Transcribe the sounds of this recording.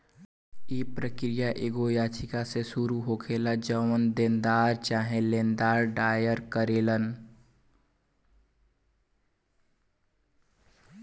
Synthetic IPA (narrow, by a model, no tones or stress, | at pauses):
ipɾəkɾijaʔeɡojat͡ʃʰikasesuɾuɦokʰelad͡ʒəʋənd̪ẽnd̪aɾt͡ʃaɦẽlend̪aɾɖajəɾkəɾelən